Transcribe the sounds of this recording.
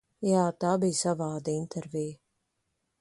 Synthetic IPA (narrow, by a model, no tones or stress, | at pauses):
jaːt̪aːbijsavaːd̪int̪ʰɛɾvʲiː